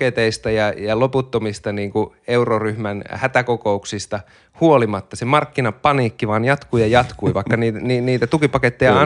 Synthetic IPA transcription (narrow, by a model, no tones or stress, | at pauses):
et̪eist̪ɑjɑjɑloput̪ːomist̪ɑniːŋku | euroryhmænhæt̪ækokouksist̪ɑ | huolimɑt̪ːɑsemɑrkːinɑppɑniːkːiʋɑːnjɑt̪kuːjɑjɑt̪kuiʋɑikːɑniːniːniːt̪æt̪ukipɑket̪ːejɑɑ